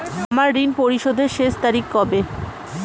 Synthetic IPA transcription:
amaɾːinpoɾiʃod̪ʱeɾʃeʃt̪aɾikkɔbe

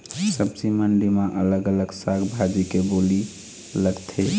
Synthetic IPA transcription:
səbsiməɳɖimãʔələɡələɡsaɡbʱad͡ʒikeboli | ləɡt̪ʰe

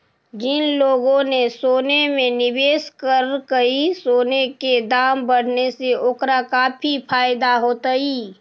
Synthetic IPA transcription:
d͡ʒɪnloːɡõnesoːnemẽnɪbeːskəɾkəisoːneked̪aːmbɐɽ̤neseoːkɾakaːpʰipʰaːɪd̪aɦoːt̪əiː

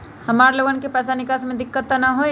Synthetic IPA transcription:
hɐmaːɾeloːɡənkepɛːs̬anɪkaːsmẽd̪ɪkːət̪ːnaɦoe

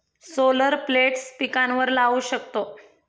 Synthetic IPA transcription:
soləɾpleʈst̪ikanʋəɾlauɕəkt̪o

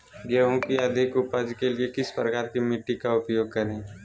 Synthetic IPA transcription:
ɡɛõkiɐd̪ʱɪkʊpad͡ʒkeliekɪspɾəkaːɾkimɪʈːikaʊpjoːɡ̚kɐɾẽː

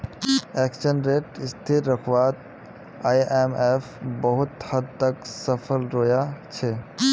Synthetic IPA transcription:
ɛkʃənɾeːʈɪst̪ʰit̪ɾəkʰʋat̪̚ | ajemepʰbəɦʊt̪həd̪̚t̪əksəpʰəlɾoːjat͡ʃʰe

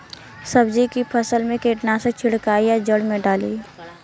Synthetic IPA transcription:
səbd͡ʒikipʰəsəlmẽkeːʈnaset͡ʃʰɪɽkaːijad͡ʒəɽmẽɖaːlḭː

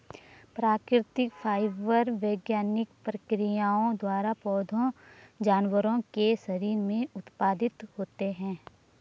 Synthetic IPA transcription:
pɾaːkɾɪt̪ɪkpʰaːɪʋəɾʋəːɡjaːnɪkpɾəkɾijaːõd̪waːɾapɔːd̪ʱõd͡ʒaːnwəɾõkesəɾiːɾmẽʊt̪paːd̪ɪt̪hoːt̪eɦɛ̃ː

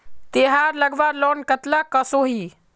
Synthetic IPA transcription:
t̪eɦaɾləɡʋaɾlɔnkət̪lakəsoɦi

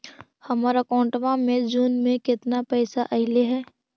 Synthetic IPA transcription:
hɐmɔɾəkɔːɳʈʋãmẽd͡ʒuːnmẽkɪt̪napɛːsaʔɐɦɪleɦɛː

